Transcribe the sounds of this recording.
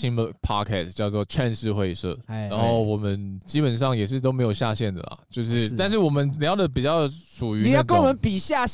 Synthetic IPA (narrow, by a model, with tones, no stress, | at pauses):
i˧˥ŋdə˧pʰɑ˥kʰɛ̰˥˩st͡ɕjɑ˥˧ʊt͡swɔ˥˩ʈ͡ʂʰa˥˧nʂɻ̩˥˧xwe˥˧ɪʂɤ̰˥˩ɻa˧˥nxo˥˩ʊwɔ˨˩mə˦nt͡ɕi˥pə˨˩nʂɑ˥˩ŋjɛ˨˩ʂ̬ɻ̩˥˩t̪̬o˥ʊme˧˥ɪjo˨˩ɕja˥˧ɕjɛ˥˩nd̪ə̰˩lɐ̰˩t͡ɕjo˥˧ʊʂɻ̩˥˨t̪a˥˧nʂ̬ɻ̩˥˩wɔ˨˩mə˦nljɑ˧˥ʊd̪ə˨p̬i˨˩t͡ɕjɑ˥˩ʊʂʰu˨˩y˧˥˨jkə˦nwɔ˨mə˦npi˨˩ɕja˥˩